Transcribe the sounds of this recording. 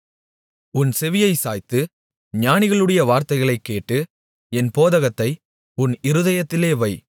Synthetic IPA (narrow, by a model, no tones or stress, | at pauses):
ʊnsɛʋɪjɐɪsa̰ːjt̪ːɯ | ɲaːnɪɣɐɭɯɽɐjɐʋaːɾt̪ɐɪɣɐɭɐɪkːeːʈːɯ | ɛnpoːðɐɣɐt̪ːɐɪ | ʊnɪɾɯðɐjɐt̪ːɪleːʋɐɪ